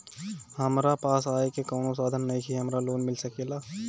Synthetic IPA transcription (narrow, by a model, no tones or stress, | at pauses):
hɐmɾapaːsaːekekɔːnosaːd̪ʱənːɐɦĩkʰiɦɐmɾaloːnmɪlsɐkeːlaː